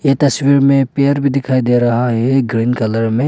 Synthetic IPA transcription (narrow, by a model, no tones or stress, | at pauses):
et̪ɐswiɾmẽpeəɾbʱid̪ɪkʰaːid̪eɾɐɦaɦɛɡɾiːnkɐləɾmẽ